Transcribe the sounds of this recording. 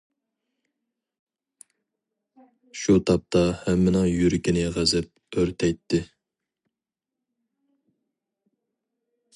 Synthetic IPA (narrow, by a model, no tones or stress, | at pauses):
ʃut̪ʰɑp̚t̪ʰɑhɛmːɪnɨŋjyɾɪkʲinɪʁæzɛp̚øɾt̪ʰɛjt̪ʰːɪ